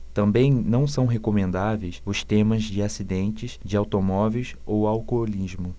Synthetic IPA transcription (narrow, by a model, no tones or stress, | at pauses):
t̪ɐ̃mbẽj̃nɐ̃w̃sɐ̃w̃ɦekomẽnd̪avejsʊst̪ẽmɐzd͡ʒɪasid̪ẽnt͡ʃɪsd͡ʒɪawt̪omɔvejs | owawkolizmʊ